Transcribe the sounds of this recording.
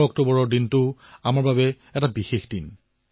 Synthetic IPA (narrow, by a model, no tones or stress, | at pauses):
ɔk̚tobɔɹɔɹdintʊamaɹbabɛ | ɛtabixexdin